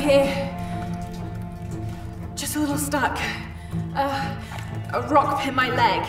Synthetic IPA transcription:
hi | d̥ʒ̥ʌstəlɪɾl̩ˠstʌk | ʌ | ʔəɹɑkpʰɪ̃maɪlɛɡ̥

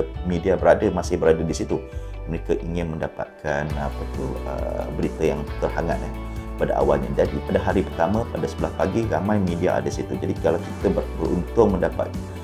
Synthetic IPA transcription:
midiabəɾadəmasɪhbəɾadadisit̪u | məɾekaʔiŋɪnmə̃ndapa̰t̪̚kʰana̰pat̪ʊhə̰bəɾit̪əjaŋt̪ərɦaŋat̪̚nah | pada̰ʔa̰walɲa̰d͡ʒadipadaɦaɾipərt̪amə̃padasəbəlaspaɡiɾamãjmidia̰a̰dasit̪ud͡ʒadikalawkit̪əbəbəɾʔṵnt̪ʊŋmə̃ndapa̰t̪̚

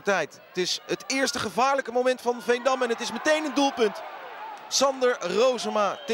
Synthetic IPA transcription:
tɛjt | tɪsɦətɪːɹstəχəvaːɹləkəmowmɛntfɑnvɛjndɑmɛnətɪsmətejnəndulˠpɵnt | sɑndəɹrowzəmaːt

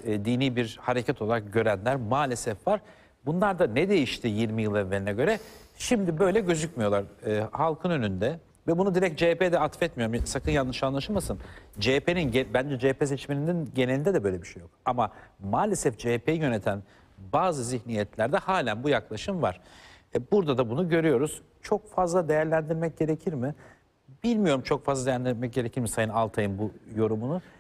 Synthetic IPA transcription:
d̪iːniːbiɾhaɾe̞cʰɛt̪ʰo̞lˠaɾak̚ɟø̞ɾænlʲæɾmaːlʲe̞sɛfvaɾ | bunlˠaɾd̪anɛd̪e̞jiʃt̪ʰijiɾmijɯlˠanveɾʲinɛɟø̞ɾɛʃimd̪ibø̞jlʲɛɟø̞zycmijo̞lˠaɾːhalˠkʰɯnø̞nynd̪ɛ | vɛbunud̪iɾɛc̚d͡ʒeped̪ɛat̪fɛt̪mijo̞ɾumsakʰɯnjanːɯʃanlˠaʃɯmasɯnd͡ʒepeninɟebænd͡ʒɛd͡ʒepʰesɛt͡ʃmenind̪inɟe̞nelʲind̪ɛd̪ɛbø̞jlʲebiʃejo̞k̚amamaːlʲe̞sɛfd͡ʒepʰejjø̞ne̞t̪ʰæn | baːzɯziçnijɛt̪lʲæɾd̪ɛhaːlʲænbujaklˠaʃɯmva̰ɾ̥buɾd̪ad̪abunuɟø̞ɾyjo̞ɾuz̥ | t͡ʃʰo̞k̚fazlˠad̪e̞jæɾlʲænd̪iɾmɛc̚ɟ̥e̞ɾecʰiɾmɪ | b̥ilʲmijo̞ɾumt͡ʃʰo̞kfazlˠad̪eænd̪iɾmɛc̚ɟe̞ɾecʰiɾmisajɯnalˠt̪ʰajɯnbujo̞ɾumunu

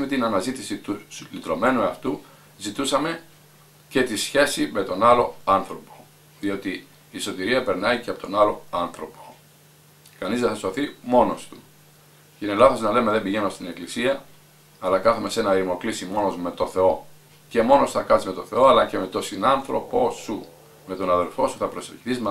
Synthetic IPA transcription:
me̞t̪inɐnɐzit̪isit̪uslit̪ɾo̞me̞nuɐft̪u | zit̪usɐme̞ | ce̞t̪isçe̞sime̞t̪o̞nɐlo̞ɐnθɾo̞po̞̥ | ðio̞t̪iː | so̞t̪iɾiɐpe̞ɾnɐiceɐpot̪o̞nɐlo̞ɐnθɾo̞po̞̥ | kɐnizðeθɐsoθimo̞no̞st̪u̥ | cine̞lɐθo̞znɐle̞me̞ðebiʝe̞nost̪ine̞klisiɐː | lɐkɐθome̞senɐɾimo̞klisimo̞nozme̞t̪o̞θe̞o̞ | ce̞mo̞no̞suθɐkɐizme̞t̪o̞θe̞o̞ɐlɐce̞me̞t̪o̞sinɐnθɾo̞po̞su | me̞t̪o̞nɐðe̞lfo̞suθɐpɾo̞seɾçi̥θizm

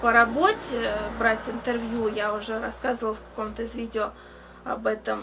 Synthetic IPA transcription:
pəɾɐbotʲɪbɾatʲɪnt̪ɨrvʲjujaʊʐɛɾɐskazəvəlˠfkɐ̥komt̪əɪzvʲidʲɪo | ɐ̰bɛt̪əm

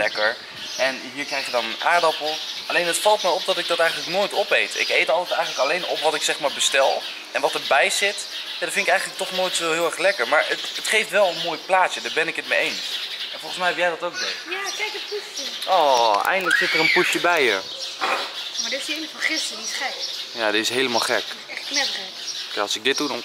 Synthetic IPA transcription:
ɛkəɹ | ɛnɦiːɹkrɛjχjədɑnənʔa̰ːɹdɑpl̩ˠʔɑlejnɦətfɑlˠt̚mɛjɔp̚dɑtɪɡ̚dɑtɛjχən̩ləknoːjtɔpejtɪ̰kejtɑlˠtɛtɛjχənləkɑlejnɔpʋɑtɪksɛχmaːɹbəstɛlˠ | ʔɛnʋɑtəɹbɛjzɪt | jadɔfɪntɪkɛjχənlək̚tɔχnoːjtsoɦɪːlˠɛχlɛkəɹmaːɹətətχejftʋɛlˠənmoːjplaːədaːɹbɛnɪkət̚mejejnsɛnfɔlˠχən̩smɛjjɛjdɑtowk̚dejjakɛjkətpusəʔoːɛ̰jndələksɪtərənpusjəbɛjə | madɔɪsenəfəχɪsənitχɛkjaːdɪtɪsɦejləma̰lˠχɛk | ɛtknɛbrɛ | kaɑlˠsɪɡ̚dɪt̚d̚udɑn

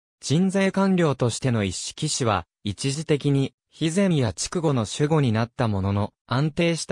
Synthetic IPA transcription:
d͡ʑ̥ĩnd͡zaːkãnɾʲo̞ːt̪o̞ɕi̥t̪e̞no̞iɕi̥kʲiɕiβa̰ | it͡ɕiʑit̪e̞kʲiɲ̟i | çizẽ̞jat͡ɕi̥kɯ̟ɡo̞no̞ɕɨɡo̞ɲ̟inat̪ːamo̞no̞no̞ãnt̪e̞ːɕi̥t̪

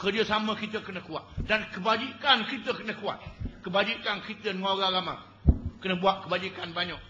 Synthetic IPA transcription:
kərd͡ʒəsaməkit̪əkənəkua̰t̪̚dankəbad͡ʒikankit̪əkənəkua̰t̪̚kəbad͡ʒikankit̪ənaɾaɾama̰ | kənəbuat̪̚kəbad͡ʒikanbaɲɔk̚

